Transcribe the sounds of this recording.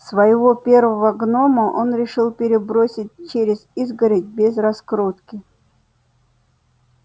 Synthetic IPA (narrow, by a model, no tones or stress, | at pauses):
svəjɪvopʲe̞rvəvəɡno̞məʔo̞nɾʲɪʂɨlˠpʲɪɾʲɪbɾosʲɪt̚ʲt͡ɕeɾʲɪzizɡəɾʲɪt̚ʲbʲɪzrɐskɾot̪kʲɪ